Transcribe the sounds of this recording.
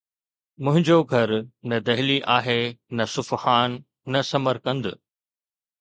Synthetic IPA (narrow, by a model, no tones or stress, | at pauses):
mʊ̃ɦɪ̃ɲd͡ʑoɡʱɐɾnɐd̪ɐɦɪliʔaːɦenɐsʊfhaːnː | ɐsɐməɾkɐ̃nd̪ɪ